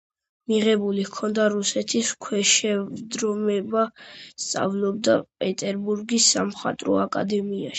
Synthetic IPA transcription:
miʁɛbulihkʰɔnd̪aɾusɛt̪ʰiskʰwɛʃɛd̪ɾɔmɛbast̪sʼa̰vlˠɔbd̪apʼɛt̪ʼɛɾbuɾɡisːa̰mχa̰t̪ʼɾɔ̰akʼa̰d̪ɛmia̰ʃi̥

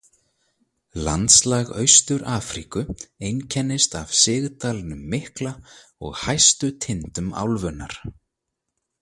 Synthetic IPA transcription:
la̰nt̪slaːɣœ̰ɥst̪ʏɾaːfɾikʏejncʰɛnːɪst̪av̥sɪɣt̪aːlnʏmːɪhkla | ɔ̰ɣhajst̪ʏt̪ʰɪnt̪ʏma̰wlvʏnːa̰ɾ̥

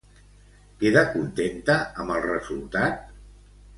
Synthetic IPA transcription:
keðəkunt̪ent̪əəməlˠrəzulˠt̪at̪

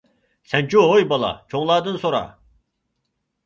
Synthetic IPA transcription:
sænt͡ʃʰuɦojbɑlˠɑ̰t͡ʃʰoŋlˠɑːd̪ɯnsoɾɑ̰

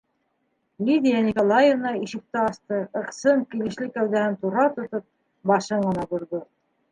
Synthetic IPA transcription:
lʲid̪ʲijanʲikolˠajevnɑiʃɘ̆k̚t̪ɘɑst̪ɤɤ̆qsɤɴkilɘ̆ʃlɘkæwðæhɘnt̪uɾɑt̪ŏt̪ɤp̚ | bɑʃɤɴɢɤ̆nɑb̪ŭɾðo

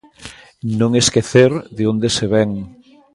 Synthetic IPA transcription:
nõŋeskeθeɾðeond̪eseβɛŋ

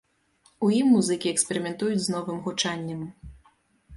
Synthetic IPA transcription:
ujimːuzɨkʲiɛkspʲɛɾʲɨmʲɛnt̪ujud͡zʲznɔvɨmɣut͡ʂanʲːɐm

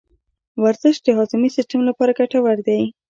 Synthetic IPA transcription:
waɾzəʃ̚d̪əɦɑt̪umisɪsʈamlapɑɾaɡaʈawaɾd̪aj

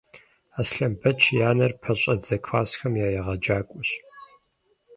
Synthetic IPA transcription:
aːsɬɐmbʰɐt͡ʃʰjaːnɐrpʰɐɕʼɐd͡zɐkʷʰfaːsxɐmjaːjɛʁɐd͡ʒaːkʷʼʊɕ

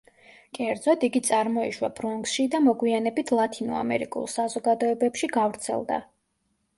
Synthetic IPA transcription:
kʼɛɾd̪zɔt̪iɡit̪sʼaɾmɔiʃwab̥ɾɔŋɡsʃid̪amɔɡwianɛbit̪ʰlˠat̪ʰinɔ̰a̰mɛ̰ɾikʼṵlˠsazɔɡad̪ɔɛbɛpʃiɡavɾt̪sʰɛ̰lˠd̪a̰

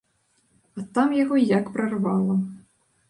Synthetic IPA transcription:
ɐt̪amjaɣɔjakpɾɐrvalˠɐ

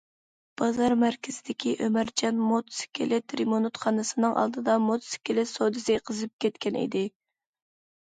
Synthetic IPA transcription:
b̥ɑzɑɾmæɾkʲʰɪz̥ɪd̪ɪkʲʰiʔømæɾd͡ʒɑnmot̪sɪ̥kʲʰelɪt̪ɾimonut̪χɑnɨsɨnɨŋʔɑ̰lˠd̪ɨd̪ɑmot̪sɪ̥kʲɪlɪsod̪ɨsɪqʰəzɨp̚kʲʰɛt̪kʲɛnʔḭd̪ɪ

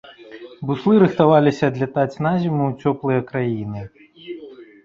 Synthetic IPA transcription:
buslˠɨɾɨxt̪avalʲisʲɐːd̪lʲat̪at͡sʲnazʲimut͡sʲɔplˠɨjɐkɾajinɨ

